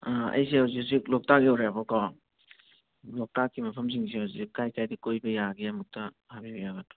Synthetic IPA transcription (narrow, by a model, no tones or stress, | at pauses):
aɐ̰jsiawzis̬iklɔk̚takiɐwɾejabɔkɔ | lɔk̚takːimɐpʰɐms̬iŋs̬iawzikajkajdikojbɐjaɡiɐmuk̚tɐ | habibɐjaɡatu̥